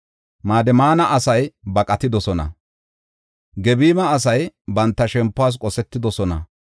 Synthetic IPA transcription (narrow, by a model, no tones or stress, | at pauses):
maːd̪ɛmaːnɐʔɐsɐjbɐkʼɐt̪ɪd̪ɔsɔnɐ̰ | ɡɛbiːmɐːs̬ɐjbɐnt̪ːɐʃɛmpːʊaːs̬kʼɔsɛt̪ːɪd̪ɔsɔnɐ̰